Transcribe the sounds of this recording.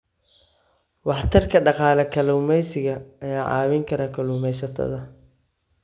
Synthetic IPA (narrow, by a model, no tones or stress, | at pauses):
wɑħt̪ʰɐrkʰɐɖɑqɑːlɛkʰɐlʊːmɛjsɪɣɐɐjaːʕɑ̰ːwɪŋkʰɐɾɐkʰɐluːmɛjsɐt̪ʰɐ̰ðɐ